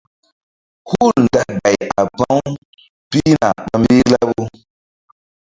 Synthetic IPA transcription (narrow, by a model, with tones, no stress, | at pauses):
hu˦˨ln̩˨da˦ɡa˨ja˨ba˦w | pi˦na˨k͡pa˦mbe˦la˦bo˦